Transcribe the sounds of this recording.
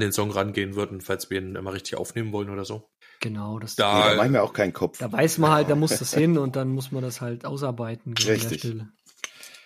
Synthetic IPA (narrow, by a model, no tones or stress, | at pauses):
ndeːnzɔŋʁanɡeːənvʏɐdn̩falsv̥iːɐiːnnʔɪ̰maʁɪçtɪ̥çʔa̰ʊfneːmənvɔlənoːɾɐzoː | ɡ̥ənaʊd̥asd̥aːanmiɐaʊxkʰaɪn̩kʰɔfd̥aːvaɪsmanhalt̚d̥aːmʊstdashɪnʊnt̚d̥anmʊs̬mandashaltʔaʊs̬aɐbaɪtn̩eːʁɪdɛɐɪʃçtɪlə